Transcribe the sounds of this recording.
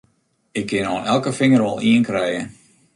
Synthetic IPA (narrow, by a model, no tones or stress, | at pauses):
ɪkʰːɪnɔːnɛlˠkəfɪŋərʋɔlˠiənkrɛjə